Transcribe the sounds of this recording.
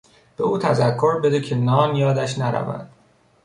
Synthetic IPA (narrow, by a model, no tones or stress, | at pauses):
b̥euːt̪ʰæzækʰːoɾbe̞d̪ecʰe̞nɒːnjɒːd̪æʃnæɾæ̰væ̰nd̪̥